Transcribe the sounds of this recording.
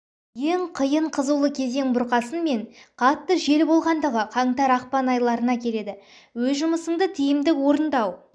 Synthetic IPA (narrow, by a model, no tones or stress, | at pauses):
je̞ŋqʰəjəɴqʰəzuwlˠəkʲʰe̞ze̞ŋbʊɾqɑsənme̞ŋqʰɑt̪ːəʒe̞lbo̞lˠʁɑnd̪əʁəqʰɑɴt̪ɑɾɑqpɑnɑjlˠɑɾənɑkʲʰe̞le̞d̪ɪ | wɵzʒʊməsəɴd̪ət̪ʰijɪmd̪ɪkwo̞ɾənd̪ɑw